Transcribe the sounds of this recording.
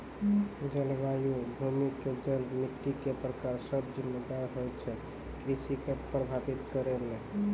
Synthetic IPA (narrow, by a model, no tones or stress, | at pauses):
d͡ʒəlʋajubʱumikːed͡ʒənbmit̪ːikepɾəkaɾsəbd͡ʒimːed̪aɾɦojt͡ʃʰɛ | kɾisikepɾəbʱabit̪kəɾele